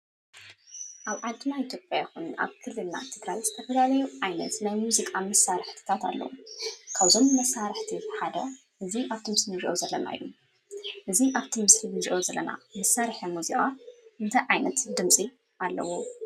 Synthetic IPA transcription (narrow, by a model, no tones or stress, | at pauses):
ʔaβʕalt̪ʰɨnait̪ʰjo̞pʼjajxuna̰βkʰɨlːɨlna̰t̪ʰɨɡɾajz̥ɨt̪ʰɐfɐlalɐjuʕajnɐ̰t̪najmuzikʼamɐsːaɾɨħt̪ʰɨ̥t̪ʰat̪ʰa̰lːɐ̰wukʰaβzo̞mmɐsːaɾɨħt̪ʰiħad̪ɐ | ʔɨziʔaβt̪ʰimɨsnɨziʔozɐlːɐna̰ḭju | ʔɨziʔaβt̪ʰimɨsɨnɨziʔo̞zɐlːɐ̰na̰mɨsaɾħɐmuzikʼaʔɨnt̪ʰajʕajnɐt̪d̪ɨmt͡sʼi | ʔalːɐ̰wo